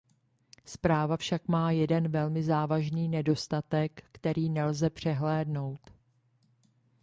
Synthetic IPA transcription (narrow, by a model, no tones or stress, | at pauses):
spɾaːvafʃakmaːjɛdɛnvɛlmɪzaːvaʒniːnɛdo̞st̪at̪ɛkːt̪ɛɾiːnɛlzɛpr̝̥ɛɦlɛːdno̞wt̪